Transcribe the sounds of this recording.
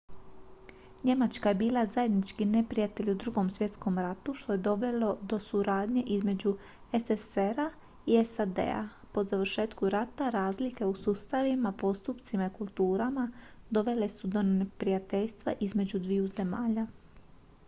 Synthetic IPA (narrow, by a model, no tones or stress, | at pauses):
ɲe̞mat͡ʃkaje̞biːlˠazaje̞d̪nit͡ʃkine̞pɾijat̪e̞ʎud̪ɾuɡo̞msʋje̞t̪sko̞mɾat̪uʃt̪o̞je̞d̪o̞ʋe̞lo̞d̪o̞suɾaːd̪ɲe̞ʔizme̞d͡ʑu | e̞seseɾa | iesad̪e̞̰a̰ | po̞zaʋɾ̩ʃe̞ːt̪kuɾat̪aɾaːzlike̞usust̪aʋimapo̞st̪upt̪simaikulˠt̪uːɾamad̪o̞ʋe̞le̞sud̪o̞nepɾijat̪e̞ʎst̪ʋa̰ʔizme̞d͡ʑud̪ʋiuze̞maːʎa